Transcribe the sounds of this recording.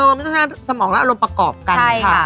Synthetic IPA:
o˧˩m˥˩t̪ɔ˥˩a˥˩sa˧mɔː˩˦ŋa˦˥ʔa˧ɾo˧mpɾa˧kɔː˨˩p̚kat͡ɕa˥˩a˦˩

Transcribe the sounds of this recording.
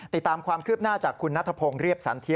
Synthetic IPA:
t̪i˨˩t̪ːaː˧mkʰwaː˧mkʰɯː˥˩p̚naː˥˩t͡ɕaː˨˩kʰːu˧nːa˦˥t̪ʰa˧pʰoː˧ŋɾi˥˩əp̚sa̰˩˦nt̪ʰi˦˥

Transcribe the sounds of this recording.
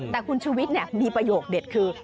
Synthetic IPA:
t̪ɛː˨˩kʰu˧nt͡ɕʰuː˧wi˦˥t̪̚nɛ˧˩niː˧pɾa˧joː˨˩k̚deː˨˩t̚kʰɯː˧

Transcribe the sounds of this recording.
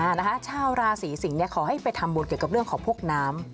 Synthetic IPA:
a˥˩na˦˥kʰa˦˥t͡ɕʰaː˥˩wɾaː˧siː˩˦si˨˩˦ŋni˥˩ɐkʰɔː˩˦ha˥˩jpa˧jt̪ʰa˧mbuː˧nki˨˩əka˨˩ɾɯ˥˩əŋkʰɔː˩˦ŋpʰu˥˩ək̚naː˦˥m

